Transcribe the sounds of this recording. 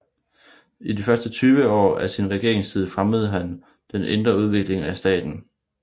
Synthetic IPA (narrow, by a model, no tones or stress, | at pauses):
idifɶɐsd̥ət͡sʰyːʋəɒ̰ːæsinʁɛɡ̥e̝ɐ̰e̝ŋssʰið̞ˠəfʁaməð̞̩ˠɦæn | d̥ene̝nd̥ʁɐuð̞ˠʋe̝ɡ̥le̝ŋæsd̥ɛ̰ːd̥n̩